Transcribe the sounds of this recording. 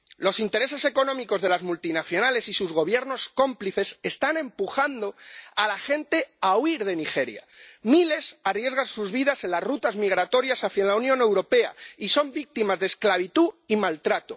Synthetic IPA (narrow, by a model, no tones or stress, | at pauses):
lo̞sint̪e̞ɾe̞se̞se̞ko̞nõ̞miko̞zðe̞lazmult̪inaθjo̞nale̞sisuzɣo̞β̞je̞ɾno̞sko̞mpliθe̞sest̪anẽ̞mpuxand̪o̞alaxe̞nt̪e̞auiɾð̞e̞nixe̞ɾja̰mile̞sarje̞zɣ̞ansuzβiðase̞nlazrut̪azmiɣ̞ɾat̪o̞ɾjasafjenlaunjone̞wɾo̞pe̞a̰iso̞mbik̚t̪imazðeːsklaβ̞it̪uimalt̪ɾat̪o̞